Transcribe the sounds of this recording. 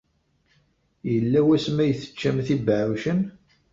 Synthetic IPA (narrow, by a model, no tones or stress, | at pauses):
jəlːæwæsmæjθə̥t͡ʃːæmθibəʕuʃən